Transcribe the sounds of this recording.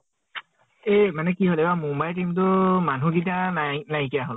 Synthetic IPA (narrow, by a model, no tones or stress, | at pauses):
emanɛkiɦolebamumbajtimtʊmanũkitiãnanajkijaɦol